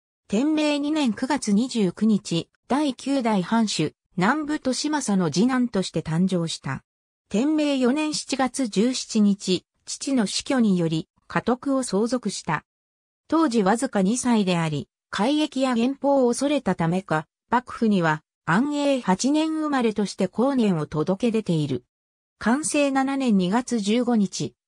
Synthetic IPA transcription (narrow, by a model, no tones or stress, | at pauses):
t̪ẽ̞mːe̞ːɲ̟inẽ̞ŋkɯ̟ɡat͡sɨɲ̟iʑɨːkɯ̟ɲ̟it͡ɕi | d̪̥aikʲɨːd̪aihãɰ̃ɕɨ | nãmbɯ̟t̪o̞ɕimasano̞d͡ʑinãnt̪o̞ɕi̥t̪e̞t̪ãɲ̟d͡ʑo̞ːɕi̥t̪a̰ | t̪ẽ̞mːe̞ːjo̞nẽ̞ɰ̃ɕi̥t͡ɕiɡat͡sɨd͡ʑɨːɕi̥t͡ɕiɲ̟it͡ɕi | t͡ɕi̥t͡ɕino̞ɕi̥kʲo̞ɲ̟ijo̞ɾʲi | kʰat̪o̞kɯ̟o̞so̞ːzo̞kɯ̟ɕi̥t̪a̰ | t̪o̞ːʑiβazɨkaɲisaid̪e̞aɾʲi | kʰaiɡe̞kʲijaɡẽ̞mpo̞ːso̞ɾe̞t̪at̪ame̞ka | b̥akɯ̟̥ɸɯ̟ɲ̟iβ̞a | ãɰ̃e̞ːhat͡ɕinẽ̞ɰ̃ɯ̟maɾe̞t̪o̞ɕi̥t̪e̞ko̞ːnẽ̞ɰ̃o̞t̪o̞d̪o̞ke̞d̪e̞t̪e̞iɾɯ̟ | kʰãɰ̃se̞ːnananẽ̞ɲ̟ɲːiɡat͡sɨʑɨːɡo̞ɲ̟it͡ɕi